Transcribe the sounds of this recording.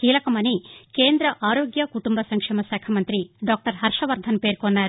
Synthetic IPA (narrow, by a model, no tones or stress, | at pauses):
kiːlɐkɐmɐnikeːnd̪ɾɐʔaːɾo̞ːɡjɐkuʈumbɐsɐŋkʂɛːmɐsɛːkʰɐmɐnt̪ɾiɖaːk̚ʈɐɾɦɐɾʂɐʋɐɾd̪ʱɐnpe̞ːɾkonːaːɾu